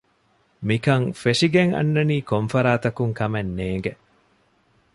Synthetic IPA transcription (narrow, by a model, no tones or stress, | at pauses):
mikɐŋfeʂiɡeŋɐ̰nːɐniːkomfɐɾaːt̪ɐkuŋkɐmenːeːŋɡe